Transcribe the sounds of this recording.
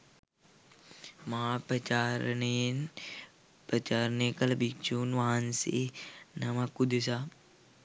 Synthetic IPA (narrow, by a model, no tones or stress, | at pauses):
mɐɦapɾɐt͡ʃaːɾnen | pɾɐt͡ʃaːɾneːkɐlɐbikt͡ʃuːnʋaɦansḛnɐmakːud̪esa